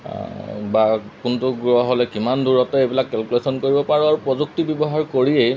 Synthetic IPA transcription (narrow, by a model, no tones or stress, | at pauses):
bakuntʊɡɹɔɦɔlɛkimandʱuɹɔtɛejbilakːɛlkulesɔnkoɹibɔpaɹuaɹupɹɔzuk̚tibjɔbɔɦaɹkoɹiej